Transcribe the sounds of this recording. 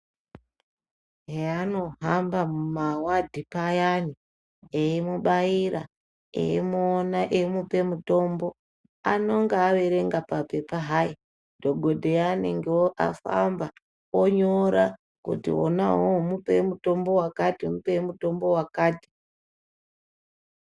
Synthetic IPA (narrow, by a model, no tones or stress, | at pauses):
ɦeano̞ɦambamumawadʱipajani | eimuɓaiɾa | ḛimuːnaʔemupe̞muto̞mbo̞ | ano̞ŋɡaːʋe̞ɾe̞ŋɡapape̞paɦaji | dʱo̞ɡʱo̞dʱe̞janḛŋɡeoʔa̰fa̰mba | oɲoɾa | kṵtḭwo̰naɦomupemuto̞mbo̞wakatimupemuto̞mbo̞wakaːti̥